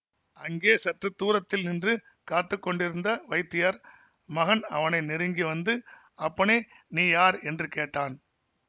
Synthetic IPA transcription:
ɐŋɡeːsɐʈrɯt̪ːuːɾɐt̪ːɪlnɪndrɯ | kaːt̪ːɯkːɔɳɖɪɾɯnd̪ɐʋɐɪt̪ːɪjɐɾ | mɐɣɐnɐ̰ʋɐnɐɪnɪɾɯŋɡiʋɐnd̪ɯ | ɐpːɐɳeː | niːjaːɾɛndrɯkeːʈːaːn

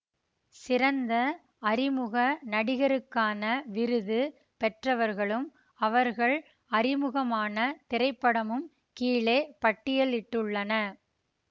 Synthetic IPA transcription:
sɪɾɐnd̪ɐ | ɐrɪmɯɣɐnɐɽɪɣɐɾɯkːaːnɐʋɪɾɯðɯ | pɛʈrɐʋɐɾɣɐɭɯm | ɐʋɐɾɣɐɭ | ɐɾɪmɯɣɐmaːnɐt̪ɪɾɐɪpːɐɽɐmɯm | kiːɭeːpɐʈːɪjɐlɪʈːɯɭːɐnɐ

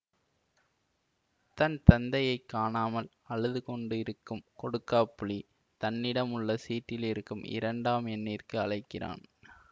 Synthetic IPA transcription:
t̪ɐnt̪ɐnd̪ɐjɐɪkːaːnaːmɐl | ɐɻɯðɯkɔɳɖɯɪɾɯkːɯmkɔɽɯkːaːpːʊɭi | t̪ɐnːɪɽɐmɯɭːɐsiːʈːɪlɪɾɯkːɯmɪ̰ɾɐɳɖaːmɛnːiːrkɯɐɭɐɪkːɪra̰ːn

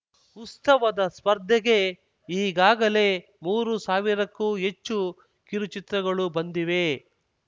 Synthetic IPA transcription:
ust̪ɐʋɐd̪ɐspɐɾd̪ʱːɛɡe̞ | iːɡaːɡɐle̞ | muːɾusaːʋiɾɐkːuːɦet͡ʃːu | kiɾut͡ʃit̪ɾɐɡɐɭubɐnd̪iʋe̞

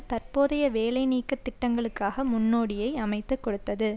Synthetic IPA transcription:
t̪ɐrpoːðɐjɐʋeːlɐɪniːkːɐt̪ːɪʈːɐŋɡɐɭɯkːaːɣɐmʊnːoːɽɪjɐɪɐmɐɪt̪ːɯkːɔɽɯt̪ːɐðɯ

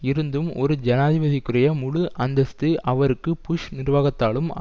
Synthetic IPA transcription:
ɪɾɯnd̪ɯmɔɾɯd͡ʒɐnaːðɪʋɐðɪkːɯrɐjɐmʊɻɯʔɐnd̪ɐst̪ɯʔɐʋɐɾɯkːɯpʊʂnɪrʋaːɣɐt̪ːaːlɯm

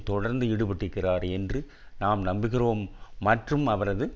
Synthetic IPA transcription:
t̪ɔɽɐɾnd̪ɯɪɽɯpɪʈːɯkːɪraːɾɛndrɯ | naːmnɐmbɪɣɪɾoːmːɐʈrɯmɐʋɐɾɐðɯ

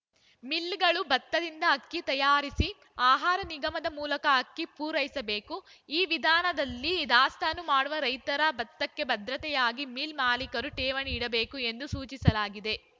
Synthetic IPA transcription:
milːɡɐɭubɐt̪ːɐd̪ind̪ɐːkːit̪ɐjaːɾisi | aːɦaːɾɐniɡɐmɐd̪ɐmuːlɐkɐɐkːipuːɾɐjisɐbe̞ːku | iːʋid̪ʱaːnɐd̪ɐlːiːd̪aːst̪ʰɐnːumaːɽuʋɐɾɐjt̪ɐɾabɐt̪ːɐkːe̞bɐd̪ɾɐt̪ɛjaːɡimiːlmaːlikɐɾuʈɛːʋɐniːɽɐbe̞ːkue̞nd̪usuːt͡ʃisɐlaːɡid̪e̞

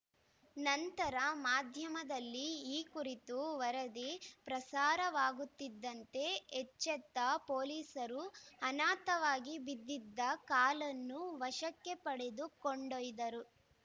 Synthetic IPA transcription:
nɐnt̪ɐɾɐmaːd̪ʱjɐmɐd̪ɐlːiːkuɾit̪uʋɐɾɐd̪ipɾɐsaːɾɐʋaːɡut̪ːid̪ːɐnt̪e̞ːt͡ʃːɛt̪ːɐpoːliːsɐɾuɐnaːt̪ɐʋaːɡibid̪ːid̪ːɐkaːlɐnːuʋɐʃɐkːe̞pɐɽe̞d̪ukoɳɖojd̪ɐɾu

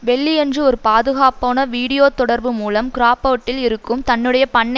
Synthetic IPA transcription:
ʋɛɭːiɛndrɯɔɾɯpaːðɯɣaːpoːnɐʋiːɽɪjoːt̪ɔɽɐɾbɯmuːlɐmkɪɾaːpoːʈːɪlɪɾɯkːɯmt̪ɐnːɯɽɐjɐpɐɳːɐ

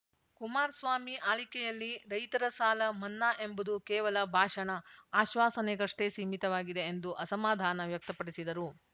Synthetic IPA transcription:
kumaːɾsʋaːmiʔaːlikɛjɐlːiɾɐjt̪ɐɾɐsaːlɐmɐnːaːʔe̞mbud̪ukɛːʋɐlɐbʱaːʂɐnɐaːʃʋaːsɐneɡɐʂʈesiːmit̪ɐʋaːɡid̪e̞ːnd̪uʔɐsɐmaːd̪ʱaːnɐʋjɐk̚t̪ɐpɐɽisid̪ɐɾu

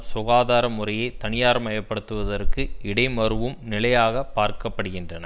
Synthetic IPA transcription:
sʊɣaːðaːɾɐmʊrɐjɐɪt̪ɐnɪjaːɾɐmɐjɐpːɐɽɯt̪ːɯʋɐðɐrkɯɪɽɐɪmɐɾɯʋɯmnɪlɐjaːɣɐpːaːɾkɐpːɐɽɯɣɪndrɐnɐ

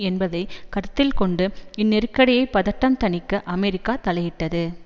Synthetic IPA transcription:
ɛnbɐðɐɪkɐɾɯt̪ːɪlkɔɳɖɯɪnːɛɾɯkːɐɽɐjɐɪpːɐðɐʈːɐmt̪ɐnɪkːɐʔɐmɛɾɪkːaːt̪ɐlɐjɪʈːɐðɯ

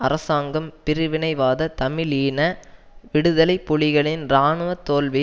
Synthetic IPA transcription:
ɐɾɐsaːŋɡɐmpɪɾɪʋɪnɐɪʋaːðɐt̪ɐmɪliːnɐ | ʋɪɽɯðɐlɐɪpːʊɭɪɣɐɭɪnɾaːɳɯʋɐt̪ːoːlʋɪ

